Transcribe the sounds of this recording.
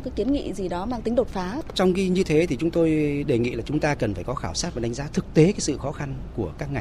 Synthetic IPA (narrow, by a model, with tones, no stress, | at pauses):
kaː˨˦jki˨˦ənŋḭ˧˨zi˨˩ɗɔ˨˦maː˧ŋt̪ï˨˦ŋ̟ɗo˨˩t̚faː˨˦t͡ɕɔ˧wŋ͡mxi˧ɲɨ˧t̪ʰe˨˦t̪ʰi˨˩t͡ɕʊ˨˦ŋ͡mt̪o˧jɗe˨˩ŋḭ˧˨laː˨˩t͡ɕʊ˨˦ŋ͡mt̪aː˧kə˨˩nfaː˧˩jkɔ˨˦xaː˧˩wsaː˦˥t̚vaː˨˩ɗa˧jŋzaː˨˦t̪ʰɨ˨˩k̚t̪e˨˦kaː˨˦jsɨ̰˧˨xɔ˨˦xa˧nku˧˩əkaː˦˥kŋa˨˩j